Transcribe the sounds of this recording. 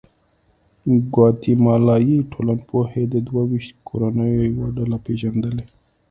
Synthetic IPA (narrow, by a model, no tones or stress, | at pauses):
ɡwɑt̪imɑlɑjiʈʰolanpʰohed̪əd̪wawiʃt̪̚kʰoɾanəjojawaɖalapeʒand̪əle